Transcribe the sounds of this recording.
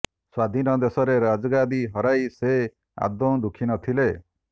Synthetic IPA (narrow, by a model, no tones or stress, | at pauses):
swad̪ʱinɔd̪esɔɾeɾad͡ʒɔɡad̪iɦɔɾajse | a̰d̪õd̪ukʰinɔt̪ʰile